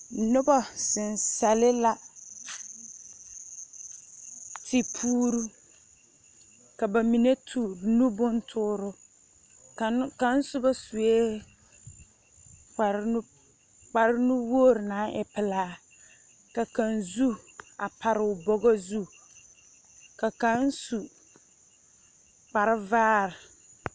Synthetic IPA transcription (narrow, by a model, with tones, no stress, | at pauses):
nʊ˦bɔ˦sɪ˨n˨sa˨lɪ˦la˨ | tʰɪ˨pʰuː˦ɾu˦ | ka˨ba˨mi˨ne˦tʰu˨ɾnũ˦bʊ˦ntʰʊː˦ɾʊ˦˨ | ka˨n̩˦sʊ˦bɔ˦su˨e˦ | k͡pa˨ɾ | k͡pa˨ɾɪ˦nʊ̃˦wo˦˨ɾnãː˨˦ʔɛ̰˨pʰɪ˨laː˦ | ka˨kã˨nzu˦a˨pʰa˨ɾɪ˨ʊ˨bɔ˦ɡɔ˦zu˦ | ka˨kã˨˦n̩˦su˨ | k͡pa˨ɾɪ˦vaː˦ɾɪ˨